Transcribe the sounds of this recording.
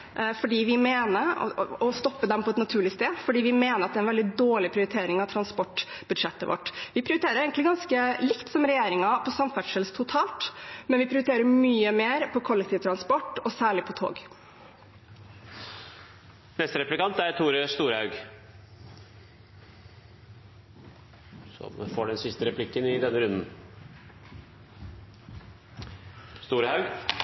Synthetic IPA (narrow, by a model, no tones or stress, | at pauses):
fɔɖiːʋɪmeːnə̰ɔst̪ɔpːəd̪ɛmpʰɔɛt̪nɑt̪ʰʉːɭɪst̪eːfɔɖiːʋɪmeːnəɾɑt̪d̪ɛæɪnʋɛld̪ɪd̪oːɭɪpʰɾɪʊɾɪt̪ʰeːɾɪŋɑʋt̪ʰɾɑnspɔʈːb̥ʉd̪ʂɛt̪ːəʋʔɔ̰ʈːʋɪpʰɾɪʊɾt̪eːɾəɾeːɡənlɪɡɑnskəlɪkt̪sɔmɾɛjeːɾɪŋɑpʰɔsɔmfæʂəlst̪ʰʊt̪ʰɑːlt̪mɛnʋɪpʰɾɪʊɾɪt̪ʰeːɾəmyːəmeːɾpʰɔkʰɔlːɛk̚t̪ʰiːʋət̪ʰɾɑnspɔʈːɔsæːɭɪpʰɔt̪ʰo̰ːɡ | nɛst̪əɾɛplɪkɑnt̪æɾt̪ʰuːɾəst̪uːɾhɑʉɡ | sɔ̰mfoːɖɛnsɪst̪əɾɛpʰlɪkːənɪd̪ɛnːəɾʉnd̪n̩ | st̪uːɾhɑʉɡ